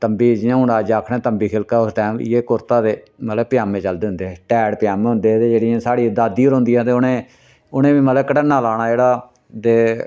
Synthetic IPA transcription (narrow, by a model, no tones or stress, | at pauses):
t̪əmbiːd͡ʒɪãːɦʊɳaːd͡ʒaːkʰɽẽːt̪əmbiːkʰɪlkaːɦʊsd̪ãːjeːkʊɾt̪ãːd̪eː | mət̪ləbpɪjaːmẽːt͡ʃəld̪eːɦʊnd̪eːʈɛːɽpɪjaːmẽːɦʊ̃nd̪eːt̪eːd͡ʒeːɽɪãːsaːɽiːd̪aːd̪iːoɾɦʊ̃nd̪iːɛ̃ːt̪eʊnẽː | ʊnẽːʋiːmət̪ləkəʈənːaːlaːɽ̃aːd͡ʒeːɽaː | d̪eː